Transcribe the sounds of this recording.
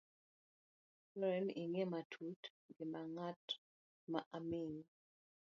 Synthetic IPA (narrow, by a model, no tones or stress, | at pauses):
lɔɛniŋematʰut | ɡɪmaŋat | maʔamiŋ